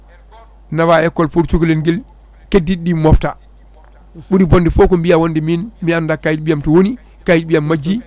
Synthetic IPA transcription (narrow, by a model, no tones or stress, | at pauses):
naβaɛkːɔlpuɾt͡ʃuklenɡil | kedːiɗimɔfta̰ | ɓuɾibɔndifɔkɔmbijawondiminmiandakajit̚ɓijamtɔwoni | kajt̚bijamːad͡ʒi